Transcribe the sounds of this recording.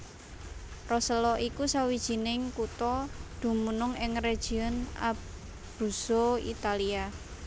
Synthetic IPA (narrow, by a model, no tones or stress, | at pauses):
rɔsəlɔʔikusawid̥ʒ̥i̤nɪŋkut̪ɔd̪̥ṳmunʊŋɪŋred̥ʒ̥i̤ɔna̰ | b̥ṳsoḭt̪alia